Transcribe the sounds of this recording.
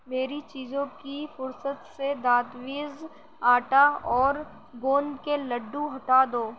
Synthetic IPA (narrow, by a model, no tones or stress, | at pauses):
meːɾit͡ʃiːzõkifʊɾsət̪sed̪aːt̪ʋiːz | aːʈaɔːɾ | ɡoːnkelɐɖːũɦɐʈaːd̪oː